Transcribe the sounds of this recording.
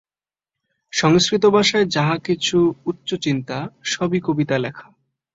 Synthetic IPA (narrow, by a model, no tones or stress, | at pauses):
ʃɔŋskɾit̪̬obʱaʃaed͡ʑaɦakit͡ɕʰuutːɕot͡ɕint̪aʃɔbikobit̪alɛkʰḁ